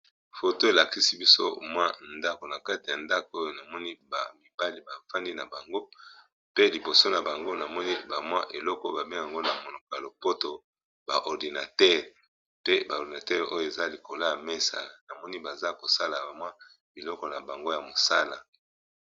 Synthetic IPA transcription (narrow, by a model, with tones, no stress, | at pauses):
fo˨to˦e˨la˨ki˦si˦bi˦so̰˦mwa˦nda˦ko˨na˨ka˦ti˨a˨nda˦ko˨o˦jo˦na˨mɔ˦ni˦ba˨mi˨ba˦li˦ba˨fa˦ndi˦na˨ba˨ŋɡo˦ | pe˦li˨bo˨so˦na˨ba˨ŋɡo˦na˨mɔ˦ni˦ba˨mwa˦ʔe˨lɔ˦kɔ˦ba˨be˦ŋ˨a˨ŋɡo˦na˨mo˨no˨kɔ˨a˨lo˨po˦to˨ | ba˨ʔɔ˨ʁdi˨na˨tɛ˦ʁ | pe˦ba˨di˨na˨tɛ˦ʁo˦jo˨e˨za˦li˨ko˨la˦ja˨me˦sa̰˨na˨mɔ˦ni˦ba˨za˦ko˨sa˦la˨ba˨mwa˦ | bi˨lɔ˦kɔ˨na˨ba˨ŋɡo˦ja˨mo˨sa˦la˨